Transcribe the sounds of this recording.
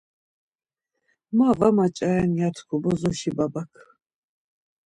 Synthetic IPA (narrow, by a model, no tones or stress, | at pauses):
mavamat͡ʃʼaɛnjat̪ʰkʰubɔzɔʃibabakʰ